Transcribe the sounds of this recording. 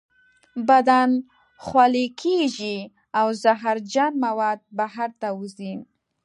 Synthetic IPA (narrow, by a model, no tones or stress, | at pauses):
bad̪an | xwalekʰeʒi | awzaɦaɾd͡ʒanmawɑd̪̚baɦaɾt̪awuzin